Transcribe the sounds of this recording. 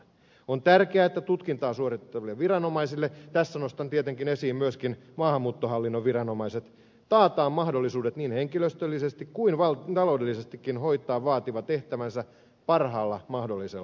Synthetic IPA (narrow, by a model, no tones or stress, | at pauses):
ont̪ærkeæːet̪ːæt̪ut̪kint̪ɑːsuoritt̪ːɑʋilːeʋʋirɑnomɑisilːet̪æsːænost̪ɑnt̪iet̪eŋkinesiːmmyøskinmɑːhɑmːuːt̪ːoɦɑlːinːoʋʋirɑnomɑiset̪ | t̪ɑːt̪ɑːmmɑhdolːisuːdet̪niːnheŋkiløst̪ølːisest̪ikkuinʋɑlt̪ɑloudelːisest̪ikːinhoit̪ˑɑːʋʋɑːt̪iʋɑt̪eht̪æʋænsæ | pɑrɦɑːlːɑmɑhdolːise